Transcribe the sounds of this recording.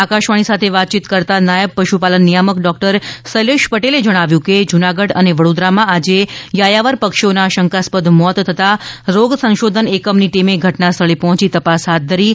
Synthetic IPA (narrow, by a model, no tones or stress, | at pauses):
akaʃʋaɽ̃isat̪ʰeʋat̪̚t͡ʃit̪kəɾt̪anajəbpəʃupalənːijaməkɖɔk̚ʈəɾsəleʃpəʈeled͡ʒəɽ̃aʋjũked͡ʒunaɡəɽəneʋəɽod̪ɾamãad͡ʒejajaʋəɾpəkʃonaʃəŋkaspəd̪ʱmɔt̪t̪ʰət̪aɾoɡsə̃ʃod̪ʱənekəmniʈimeɡʱəʈnast̪ʰəɭipɔɦɔ̃t͡ʃit̪əpasɦat̪̚d̪ʱəɾi